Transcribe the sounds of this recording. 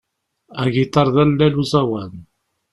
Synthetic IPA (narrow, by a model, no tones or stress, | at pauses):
æʝit̪ˤɑɾˤðælːæluzæwæn